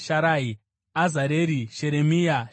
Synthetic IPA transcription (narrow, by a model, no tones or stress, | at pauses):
ʃaɾaːi | azaɾeɾiʃeɾemija